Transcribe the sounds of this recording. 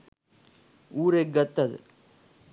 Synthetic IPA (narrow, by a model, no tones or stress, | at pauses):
uːɾeɡɐt̪ːɐðɯ̰